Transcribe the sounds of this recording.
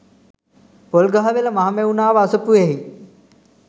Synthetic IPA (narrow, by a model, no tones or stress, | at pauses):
polɡaɦɐʋelɐmaɦmeunaːʋaːsəpueɦi